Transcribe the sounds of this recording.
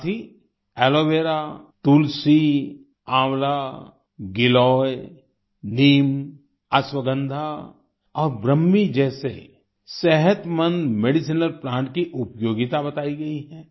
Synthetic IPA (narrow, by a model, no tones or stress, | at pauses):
t̪ʰi | ɛːloːʋeːɾat̪ulsi | ãːwla | ɡɪlɔːj | niːm | ɐswəɡə̃nd̪ʱa | ɔːɾbɾəmːid͡ʒɛːsḛ | sɛɦət̪mə̃nd̪meːɖɪs̬inəlpɾãːʈkiʔʊpjoːɡɪt̪abɐt̪aːiɡɐiɦɛ̃ː